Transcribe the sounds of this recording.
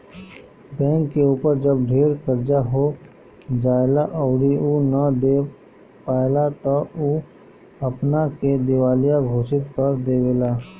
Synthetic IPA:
bɛ̃ːŋkːeuːpəɾd͡ʒəb̚ɖʱeːɾkəɾd͡ʒaɦo | d͡ʒaːelaʔɔʊɽiunəd̪eː | paːelat̪ɔu | ɐpnaked̪ɪʋaːlijãɡʱoːʃɪt̪̚kəɾd̪eːʋeːlaː

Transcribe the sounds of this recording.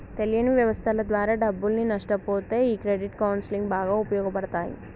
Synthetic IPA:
t̪elijɐniʋjɐʋɐst̪ʰɐlɐd̪ʋaːɾaːɖɐbːulninɐʂʈɐpoːt̪e̞ːiːkɾeɖiʈkɐwnsiliŋɡbaːɡaːupɐjɔːɡɐpɐɽɐt̪aːjḭ

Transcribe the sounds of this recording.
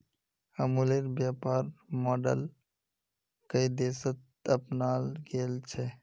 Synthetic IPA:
əmuleɾbjapaɾmɔɖə̰l | kəid̪esət̪̚ | əpnalɡelt͡ʃʰɛ

